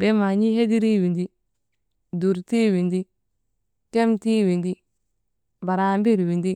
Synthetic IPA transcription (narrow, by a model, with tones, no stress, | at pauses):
be˦ma˨ɲi˦he˦di˦ɾi˦wi˨ndi˦ | du˨ɾti˦wi˨ndi˦ | ke˦mti˦wi˨ndi˦ | ba˨ɾa˨mbi˦ɾwi˨ndi˦